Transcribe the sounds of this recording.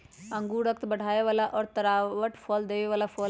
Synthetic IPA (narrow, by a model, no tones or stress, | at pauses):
ə̃ŋɡuːɾək̚t̪bɐɽʱaːeʋaːlaʔɔːɾt̪ɐɾaːʋəʈfʰɔːld̪eːʋeʋaːlafʰɔː